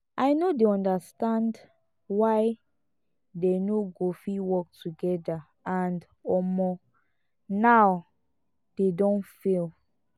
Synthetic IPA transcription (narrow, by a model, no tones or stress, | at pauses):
ʔajnodeɔ̃ndastãnd | waɪ | denoɡofiwɔk̚tuɡɛda | ãnd | ɔmɔ | naw | d̥edɔ̃nfel